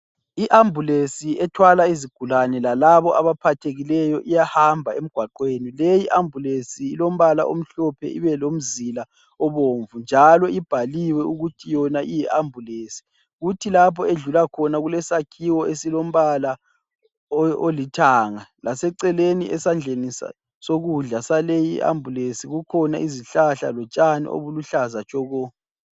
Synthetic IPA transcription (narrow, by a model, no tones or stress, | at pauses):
iʔambʱulesiɛtʰwalaiziɡ̥ʱulanɛlalaβɔʔaβapʰatʰeɣilɛjɔʔijahambʱaem̩ɡ̥ʱwaǃweːnilejiʔambʱulesiːlom̩βala̰ʔo̰m̩ɬɔpʰɛ̰ʔḭβɛlom̩zila | ɔβoɱvund͡ʒʱalɔib̥ʱaliwɛuɣutʰijɔnaʔijɛʔambʱuleːsi̥ | ɣutʰilapʰɔeɮulakʰɔnaɣulɛsakʰiwɔesilom̩βala | olitʰaːŋalʔasɛǀɛleniʔɛsand͡ɮʱenisa̰ | soɣuɮasalejiʔa̰mbʱulesiɣukʰɔnaʔiziɬaɬa̰lɔt͡ʃʼanḭʔo̰βuluɬazat͡ʃʰʼɔɣɔ